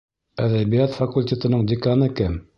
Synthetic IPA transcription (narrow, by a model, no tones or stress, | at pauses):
æðæβijæt̪fɐkulʲtʲet̪ŏnɤɴd̪ʲɪkanɤkɘm